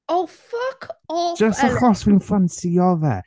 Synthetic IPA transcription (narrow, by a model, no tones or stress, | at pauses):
owfʌkɔd͡ʒ̥əstəχɔswinfansiɔvɛ̰